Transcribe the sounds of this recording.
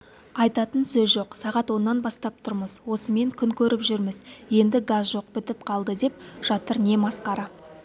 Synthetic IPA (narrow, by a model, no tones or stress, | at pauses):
ɑjt̪ɑt̪ənsɵzʒo̞qsɑʁɑt̪wo̞nːɑnbɑst̪ɑp̚t̪ʰʊɾməzwo̞səme̞ŋkʲʰʏŋkʲʰɵɾɪpʒʏɾmɪzje̞nd̪ɪɡazʒo̞q̚bɪt̪ɪp̚qʰɑlˠd̪əd̪e̞pʒ̥ɑt̪əɾne̞mɑsqɑɾɑ